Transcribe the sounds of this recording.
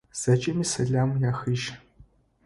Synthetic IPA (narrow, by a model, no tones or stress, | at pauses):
z̥at͡ʃʼemisɐɮaːmjaːxɨʒ